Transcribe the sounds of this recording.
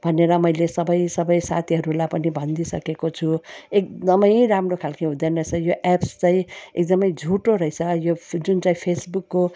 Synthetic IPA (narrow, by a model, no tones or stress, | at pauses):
bʱʌneɾʌmʌjlesʌbʌjsʌbʌjsa̰t̪ʰiɦʌɾulajpʌnibʱʌnd̪isʌ̰kekot͡sʰuek̚d̪ʌmʌj̃ɾamrokʰalkãɦũd̪ʌnʌt͡sʰʌjoʔepst͡saĩek̚d̪ʌmʌjd͡zʱuʈoɾʌjt͡sʰʌjod͡zunt͡saĩpʰesbukːo